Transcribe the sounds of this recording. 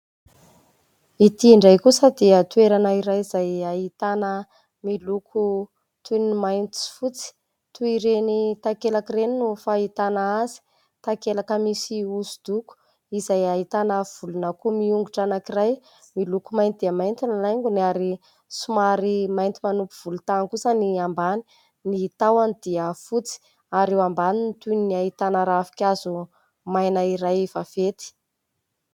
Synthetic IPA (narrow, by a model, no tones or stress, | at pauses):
it̪iɳɖ͡ʐajkusəd̪eət̪ueɾanaiɾajizajait̪anə | milukʰu | t̪ʰunimajnt̪i̥fut͡si̥ | t̪uiɾenit̪akelakireninufait̪anaazi̥ | t̪akelakəmisiuzud̪̥uku̥ | izajait̪anəv̥ulunakumiuŋɡuʈ͡ʂanakiraj | milukumajnt̪id̪̥iamajnt̪inalajŋɡunaɾi | sumaɾimajnt̪imanupuv̥ulut̪ankusəniambani̥ | nit̪awanid̪iafut͡si̥ | aɾewambaninit̪unniaɦit̪anaɾaafi̥kʲazu | majnaiɾajvavet̪i̥